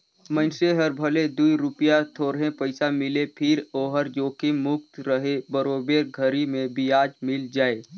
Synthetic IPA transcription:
mə̃nseɦəɾbʱəled̪uiɾʊpjat̪ʰoːɾɦẽpəɪsamɪlepʰɪɾoːɦəɾd͡ʒoːkemʊk̚t̪ɾəɦebəɾoːbeːɾɡʱəɾimẽbiaːd͡ʒmɪld͡ʒaːe

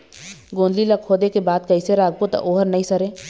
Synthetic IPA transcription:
ɡõːnlilakʰoːd̪ekebaːd̪̚kɐiseɾaːɡ̚but̪a̰ʔoːɦəɾnɐĩsɐɾẽː

